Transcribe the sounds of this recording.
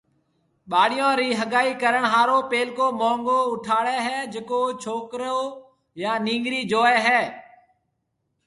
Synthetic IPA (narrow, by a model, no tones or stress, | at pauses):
ɓaːɽɪjõːɾiːɦəɠaːiːkəɾəɳɦaːɾoːpeːlkoːmõːŋɡoːʊʈʰaːɽɛːɦɛːd͡ʒekoːt͡ʃʰoːkɾoː | jaːnĩːŋɡɾiːd͡ʒoːɛːɦɛː